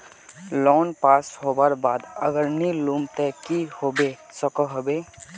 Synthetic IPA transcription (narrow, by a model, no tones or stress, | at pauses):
lɔːnpaːsɦoːbəɾbaːd̪ə̰ɡəɾnilumt̪ɛkihoːbe | səkɔɦobeː